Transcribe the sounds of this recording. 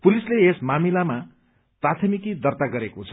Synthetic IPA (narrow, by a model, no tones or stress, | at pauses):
pulisleesmamilama | prat̪ʰʌmikid̪ʌrt̪aɡʌɾekot͡sʰʌ